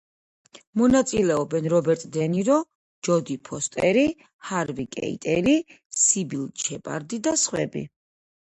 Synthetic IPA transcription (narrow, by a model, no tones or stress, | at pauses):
mɔnat̪sʼilɛɔbɛnɾɔbɛɾt̪ʼd̪ɛniɾɔ | d͡ʒɔd̪ipʰɔst̪ʼɛɾi | haɾvikʼɛ̰ḭt̪ʼɛɾi | sibilˠt͡ʃʰɛpʼa̰ɾd̪id̪asχwɛ̰bḭ